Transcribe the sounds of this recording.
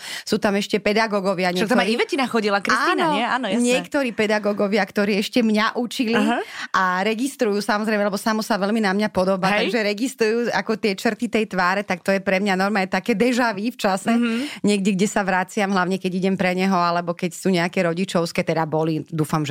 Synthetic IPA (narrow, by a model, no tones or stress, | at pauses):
suːt̪amɛʃcɛpɛd̪aɡɔɡɔʋɪaɲɛkt̪ɔmaɾiʋɛcinaxɔɟilakɾisaːinaɔɛaːnɔjaɲɪɛɛkt̪ɔɾiːpɛd̪aɡɔɡɔʋɪakt̪ɔɾiːɛʃcɛmɲaʔut͡ʃiliʔaɾɛɡist̪ɾujuːsamɔzɾɛɪmɛalɛbɔsamɔsaʋɛlminamɲapɔd̪ɔbat̪ɡʒɛɾɛɡist̪ɾujuːa̰kɔt̪ɪɛt͡ʃr̩t̪it̪ɛjt̪ʋaːɾɛt̪ak̚t̪ɔjɛpɾɛmɲanɔɾmɛajt̪akɛːd̪ɛʒaʋift͡ʃasɛɲɪɛɡɟɛɡɟɛsaʋɾat͡sɪamɦlaʊɲɛkɛɟiɟɛmpɾɛɲɛɦɔalɛbɔkɛcsuːɲɛakɛɾɔɟit͡ʃɔʊskɛːt̪ɛd̪abɔlid̪uːfamʒɛ